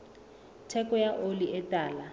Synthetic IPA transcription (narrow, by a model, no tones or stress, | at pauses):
tʰɛkɔjaʔoliʔɛtʼaːla